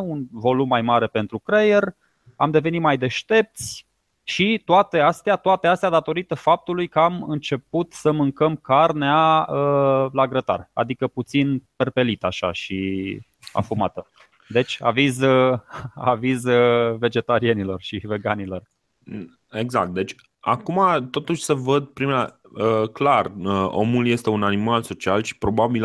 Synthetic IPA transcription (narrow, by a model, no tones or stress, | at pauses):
unvo̞lumːajmaɾe̞pe̞nt̪ɾukɾeje̞r | amd̪e̞ve̞nit̪majd̪e̞ʃt̪e̞p̚t̪sʲ | ʃit̪oat̪e̞ast̪eat̪oat̪east̪ead̪at̪o̞ɾit̪əfap̚t̪ulujkəamɨnt͡ʃe̞put̪səmɨŋkəmkarneaəlaɡɾət̪a̰ra̰d̪ikəput̪sinperpe̞lit̪aʃa̰ʃi | a̰fumat̪ə | d̪e̞t͡ʃʲa̰viz | a̰vizve̞d͡ʒe̞t̪aɾie̞nilo̞rʃive̞ɡanilo̞r | eɡzak̚t̪̚d̪e̞t͡ʃʲ | a̰kumat̪o̞t̪uʃʲsəvəd̪̚pɾima | əklarəo̞̰mulje̞st̪e̞unanimalso̞t͡ʃialʃi̥pɾo̞babil